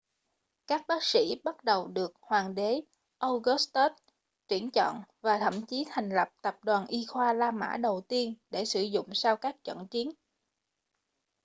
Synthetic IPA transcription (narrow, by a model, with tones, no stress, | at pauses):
kaː˦˥k̚ɓaː˦˥k̚sḭ˧˥ɓə˦˥t̚ɗə˨˩wɗɨ˨˩ək̚hwaː˨˩ŋɗe˨˦ | ʔə˧wɣst̪o˦˥t̚ | t͡ɕwi˧˩ənt͡ɕɔ̰˧˨nvaː˨˩t̪ʰə˧˩mt͡ɕi˨˦t̪ʰa˨˩jŋ̟lə˨˩p̚t̪ə˨˩p̚ɗwaː˨˩nʔi˧xwaː˧laː˧ma̰ː˧˥ɗə˨˩wt̪i˧ənɗe˧˩sɨ˧˩zʊ̰˧˨ŋ͡msaː˧wkaː˦˥k̚t͡ɕə̰˧˨nt͡ɕi˨˦ən